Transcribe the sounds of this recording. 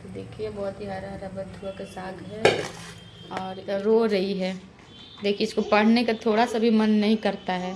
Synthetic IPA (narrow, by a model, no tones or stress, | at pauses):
t̪od̪eːkʰiebɔːt̪ɦiɦaɾaɾabɐd̪ʱuakasaːɡɦɛ | ɔːɾɾoɾɐɦiɦɛː | d̪eːkʰieɪskopɐɽ̤nekat̪ʰoːɽasabʱimɐnːɐɦĩkɐɾt̪aɦɛː